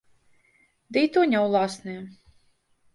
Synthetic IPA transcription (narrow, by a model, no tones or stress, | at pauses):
d̪iːt̪uɲʲawlˠaːsnɛ